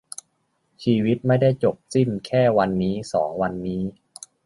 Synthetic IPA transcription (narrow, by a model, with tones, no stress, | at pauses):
t͡ɕʰiː˧wi˦˥t̪̚ma˥˩jda˥˩jt͡ɕo˨˩p̚si˥˩nkʰɛː˥˩wa˧nːiː˦˥sɔ̰ː˩˦ŋwa˧nːiː˦˥